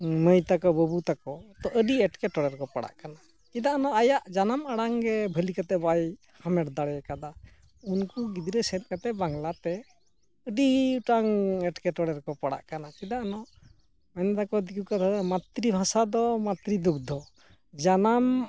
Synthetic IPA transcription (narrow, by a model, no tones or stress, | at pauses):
məjt̪akɔbəbut̪akɔt̪ɔʔəɖiɛʈkɛʈɔɽɛɾkɔpaɽa̰ʔkana | kid̪aanɔajaʔd͡ʒanamaɽaŋɾɛbʱəlikat̪ɛbaj | hamɛʈd̪aɽɛkad̪a | unkuɡid̪iɾɛsɛt̪̚kat̪ɛbaŋlat̪ɛ | əɖiʈaŋɛʈkɛʈɔɽɛɾkɔpaɽa̰ʔkanakid̪aʔanɔʔ | majnad̪akɔd̪ikukat̪ʰad̪mat̪ɾibʱãsad̪ɔmat̪ɾid̪uk̚d̪ʱɔ | d͡ʒanam